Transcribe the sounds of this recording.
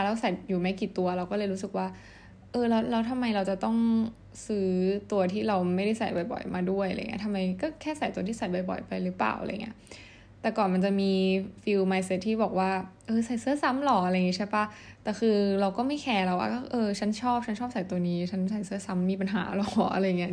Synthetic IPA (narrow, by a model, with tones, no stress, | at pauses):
lɛ˦˥wsa˨˩jjuː˨˩mɛː˦˥kiː˨˩t̪u˧ɐɾa˧wkɔː˥˩lɤː˧jɾuː˦˥sɯ˨˩k̚waː˥˩ | ʔɤː˧lɛː˦˥wlɛː˦˥wt̪ʰa˧mːa˧jɾa˧wt͡ɕa˨˩t̪ɔ˥˩ŋ | sɯː˦˥t̪u˧ɐt̪ʰiː˥˩ɾa˧wma˥˩jda˥˩jsa˨˩jbɔ˨˩jbɔ̰˨˩jmʔaː˧du˥˩əjʔa̰˧˨˩ŋi˦˥ɐt̪ʰa˧mːa˧jkɔː˥˩kʰɛː˥˩sa˨˩˦jt̪u˧t̪ʰiː˥˩sa˨˩jbɔ˨˩jbɔ̰˨˩˦jpa˧jlɯ˦˥pla̰ː˨˩wʔa̰˧j̰ŋːʔi˦ɐ | t̪ɛː˨˩kɔː˨˩nma˧nt͡ɕa˨˩miː˧fi˧wmaː˧jse˧˥t̪̚ʰːiː˥˩bɔː˨˩k̚waː˥˩ʔɤː˧sa˨˩jsɯ˧˥ɐsa˧˦˥mlɔ˨˩ʔa˧ɾa˧jŋi˦˥t͡ɕʰa˥˩pa˦˥˩t̪ɛː˨˩xʰɯː˧ɾa˧wkɔː˥˩ma˥˩jkʰɛː˧ɾa˧wa̰ː˥˩ɔ˥˩ʔɤː˧t͡ɕʰa˦˥nt͡ɕʰɔː˥˩p̚t͡ɕʰa˦˥nt͡ɕʰɔː˥˩p̚sa˨˩˦jt̪u˧əniː˦˥t͡ɕʰa˦˥nsa˨˩˦jsɯ˦˥ɐsa˦˥mːiː˧p̬a˧nɦa̰ː˩˦lɔ˨˩˦ʔa˧ɾa˧ja˨˩ŋːi˦˥ɐ